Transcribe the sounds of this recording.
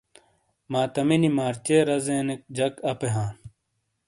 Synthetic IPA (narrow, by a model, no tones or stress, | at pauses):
maːt̪ɐminimaːɾt͡ɕeːɾɐzẽːnek̚d͡ʑɐkɐpeɦãːn